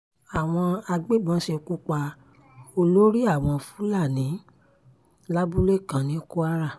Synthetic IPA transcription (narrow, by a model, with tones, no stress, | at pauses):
a˨w̃ɔ̃˧a˧ɡ͡be˦bã˨˦ʃe˧ku˦k͡pa˧ | o˧lo˦ɾi˦a˦˨w̃ɔ̃˧fũ˨˦la˦˨nĩ˨˦ | la˦bu˦le˦˨kã˨nĩ˨˦ku˦a˦ɾa˦˨